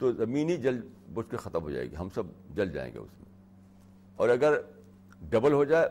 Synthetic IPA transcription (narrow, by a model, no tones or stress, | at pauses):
t̪ozɐmiːnɦid͡ʒɐlbʊt͡ʃkexɐt̪əmɦod͡ʒa̰ːḛːɡḭɦɐmsɐbd͡ʒɐld͡ʒa̰ːḛ̃ŋɡḛʊ̰smḛ̃ | ɔːɾɐɡəɾ | ɖɐbəlɦod͡ʒaːe